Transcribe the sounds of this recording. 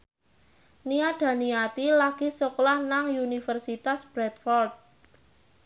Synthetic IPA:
niaɖ̥a̤niat̪ilaɡ̥isɔklahnaŋjunifərsit̪asb̥ɾɛt̪fɔrt̪̚

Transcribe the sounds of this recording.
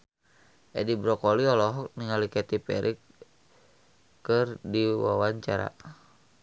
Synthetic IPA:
ʔɛdibɾɔkɔliɔlɔɦɔk̚niŋalikɛt̪ipɛɾʔik | kːɨrdiwawaɲt͡ʃaɾa̰

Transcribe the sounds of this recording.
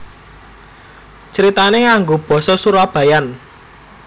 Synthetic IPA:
t͡ʃəɾit̪aneŋaŋɡob̥ɔ̤sɔsuɾab̥ä̤jan

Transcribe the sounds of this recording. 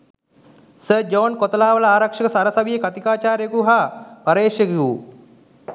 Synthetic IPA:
səd͡ʒoːnkot̪ɐlaːʋələaːɾɐkʂɐkəsaɾɐsɐʋijəkat̪ikaːt͡ʃaːɾjekuɦaːpɐɾeːʂekiu

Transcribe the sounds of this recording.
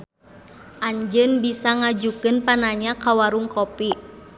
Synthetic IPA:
ʔaɲd͡ʒɨnbisaŋad͡ʒukɨnpanaɲakawaɾuŋkopi

